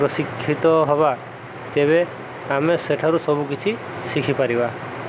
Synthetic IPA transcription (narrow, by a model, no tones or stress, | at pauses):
ɾɔsikʰːit̪ɔɦɔba | t̪eβe | ameseʈʰaɾusɔbukit͡ʃʰi | sikʰipaɾiba